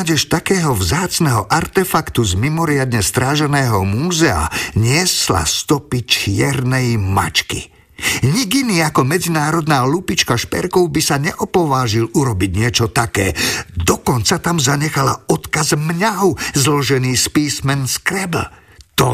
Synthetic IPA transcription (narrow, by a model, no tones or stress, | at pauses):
ɟɛʃt̪akɛːɦɔvzaːt͡snɛɦɔʔaɾt̪ɛfakt̪uzmimɔɾɪad̪ɲɛst̪ɾaːʒɛnɛːɦɔmuːzɛa̰ɲɪɛsla̰st̪ɔpit͡ʃɪɛɾnɛjma̰t͡ʃkḭ | ɲiɡiniːakɔmɛd͡zinaːɾɔd̪naːlupit͡ʃkaʃpɛ̰ɾkɔʊbisaɲɛʔɔpɔʋaːʒiluɾɔbiɟɲɪɛt͡ʃɔt̪akɛ̰ːd̪ɔkɔnt͡sat̪amzaɲɛxalaɔt̪kazmɲaɦɔʊzlɔʒɛniːspiːsmɛnskɾɛb | t̪ɔ